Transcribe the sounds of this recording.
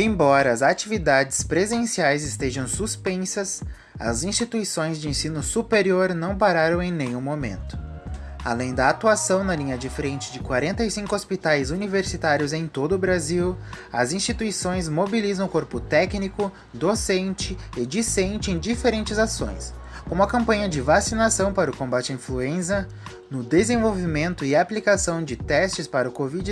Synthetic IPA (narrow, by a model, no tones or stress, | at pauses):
ẽj̃bɔɾɐɐzat͡ʃivid̪ad͡ʒɪspɾezẽsiajzɪst̪eʒɐ̃w̃suspẽsɐs | ɐ̰zĩst͡ʃit̪uisõj̃zd͡ʒɪẽsĩnʊsupeɾioɾnɐ̃w̃paɾaɾɐ̃w̃ẽj̃nẽj̃ũmomḛ̃nt̪ʊ̥a̰lẽj̃d̪ɐat̪uasɐ̃w̃nɐlĩɲɐd͡ʒɪfɾẽnt͡ʃɪd͡ʒɪkwaɾẽnt̪ɐisĩŋkʊospit̪ajzuniveɾsit̪aɾjʊzẽj̃t̪od̪ʊbɾaziwɐzĩst͡ʃit̪uisõj̃zmobilizɐ̃w̃ʊkoɾpʊt̪ɛknikʊ | d̪osẽnt͡ʃɪɪd͡ʒisẽnt͡ʃɪẽj̃d͡ʒifeɾẽnt͡ʃɪzasõ̰j̃s | kõmʊɐkɐ̃mpɐ̃ɲɐd͡ʒɪvasinasɐ̃w̃paɾɐʊkõmbat͡ʃɪɐĩfluẽzɐ | nʊd̪ezẽvowvimẽnt̪ʊɪaplikasɐ̃w̃d͡ʒɪt̪ɛst͡ʃɪspaɾɐʊkovid͡ʒ